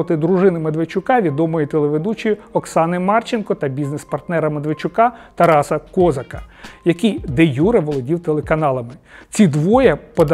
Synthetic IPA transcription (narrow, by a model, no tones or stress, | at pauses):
ɔt̪ɪd̪ɾʊʒɪnɪmɐd̪ʋet͡ʃʊkɑʋʲid̪ɔmɔjʊt̪elˠeʋed̪ut͡ʃijʊɔksɑnɪmɑrt͡ʃɪnkɔt̪ɐbʲiznespɐrt̪nɛɾɐmɐd̪ʋet͡ʃʊkɑt̪ɐɾɑsɐkɔzɐkɐjɐkʲid̪ejuɾɐʋɔlˠɔdʲiwt̪elˠekɐnɑlˠɐmɪt͡sʲid̪ʋɔjɐpɔd̪